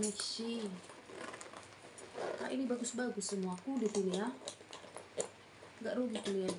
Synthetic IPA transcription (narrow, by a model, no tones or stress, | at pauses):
mekʃi | ka̰ʔinibaɡʊsbaɡusəmuakudit̪ilia | ŋɡaʔɾuɡitilia